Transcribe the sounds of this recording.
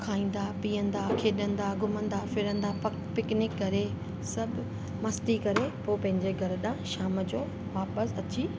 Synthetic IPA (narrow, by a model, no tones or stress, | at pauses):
kʰaːĩːn̆d̪apiːə̃nd̪akʰeːɗə̃nd̪aɡʱʊmə̃nd̪afɪɾə̃nd̪apɐ | pɪknɪkːɐɾe | sɐbʱ | mɐst̪ikɐɾepoːpɐ̃ɦɪ̃ɲd͡ʑeɡʱɐɾəɗãʃaːməd͡ʑoː | ʋaːpəsɐt͡ɕiː